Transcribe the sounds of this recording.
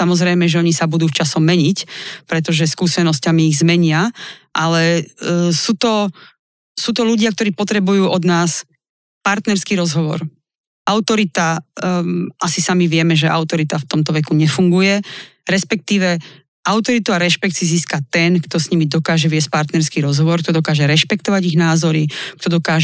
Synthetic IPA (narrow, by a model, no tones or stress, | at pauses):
samɔzɾɛjmɛʒɛɔɲisabud̪uːft͡ʃasɔmːɛɲicpɾɛt̪ɔʒɛskuːsɛnɔscamiːɣzmɛɲɪaʔalɛ | suːt̪ɔ | suːt̪ɔluɟɪak̚t̪ɔɾiːpɔt̪ɾɛbujuːʔɔd̪naːs | paɾt̪nɛɾskiːɾɔzɦɔʋɔ̰ɾ | ʔaʊt̪ɔɾit̪a | ʔasisamiʋɪɛmɛʒɛʔa̰ʊt̪ɔɾit̪aft̪ɔmt̪ɔʋɛkuɲɛfuŋɡujɛɾɛspɛk̚t̪iːʋɛ | ʔaʊt̪ɔɾit̪uaɾɛʃpɛksiziːskat̪ɛnkt̪ɔsɲimid̪ɔkaːʒɛʋɪɛs̚paɾt̪nɛɾskiːɾɔzɦɔʋɔɾk̚t̪ɔd̪ɔkaːʒɛɾɛʃpɛkt̪ɔʋaɟiɣnaːzɔɾik̚t̪ɔd̪ɔkaːʒ